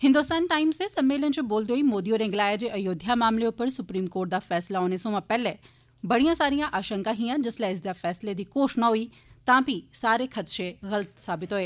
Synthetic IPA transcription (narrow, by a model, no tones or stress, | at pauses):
hɪ̃nd̪uːst̪aːnʈaːɪmsesɐmːeːlənɪt͡ɕoboːld̪oːimoːd̪ijoɾẽːŋɡlaːjad͡ʑeːʔɐjoːd̪ʱjamaːmleʊpəɾsʊpɾiːmkoːɾʈ̚d̪aːfɛːslaɦoːnesõmãpɛɦle | bɐɽijãsaːɾijãʔaːʃə̃ŋkaɦiːãd͡ʑɐslaɪs̬d̪afɛːsled̪iːkoːʃnɐɦui | t̪ɐãbʱisaːɾekʰɐt̪ʃeɣɐlət̪saːbɪt̪ɦʊeː